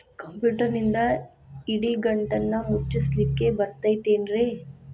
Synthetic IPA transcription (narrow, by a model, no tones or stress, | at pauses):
kɐmpjuːʈɐɾnind̪ɐ | iɽiɡɐɳʈɐnːɐmut͡ʃːislikːebɐɾt̪ɐjt̪eːnɾe